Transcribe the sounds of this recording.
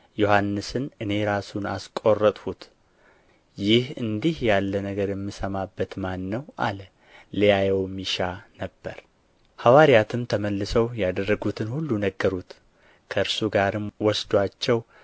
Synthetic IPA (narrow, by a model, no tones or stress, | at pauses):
johanːɨsɨnɨne̞ɾasuna̰skʼo̞rːət̪ʼhut̪ | jɪhɨnd̪ihjalːənəɡəɾjɛmːisəmabːət̪manːəwʔa̰lə | lijajɛwmiʃanəbːəɾ | hawaɾijat̪ʰɨmt̪ʰəməlːɨsəwjad̪ərːəɡut̪ʰɨnhulːunəɡːəɾut̪ | kʰəɨɾsuɡaɾɨmwɔsd̪wat͡ʃːɛw